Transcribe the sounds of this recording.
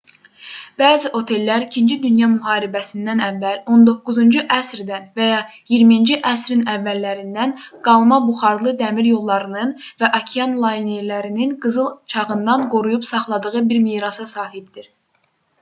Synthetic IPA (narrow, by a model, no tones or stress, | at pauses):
b̥æːziʔo̞t̪ʰe̞lːæɾicʰind͡ʒid̪ynjɑmyɦɑːɾibæsind̪ænævːælo̞nd̪o̞kːuzund͡ʒuʔæsɾd̪ænvæjɑ | jiɾmind͡ʒiʔæsɾinævːælːæɾind̪ænɡ̥ɑlˠmɑbuχɑɾlˠɯd̪æmiɾjo̞lˠːɑɾɯnɯnvæʔɑcʰiɑnlˠɑjneɾlæɾininɡɯzɯlˠt͡ʃʰɑʁɯnd̪ɑnɡo̞ɾujupsɑχlˠɑd̪ɯʁɯbiɾmiːɾɑsɑsɑːɦibd̪̥iɾ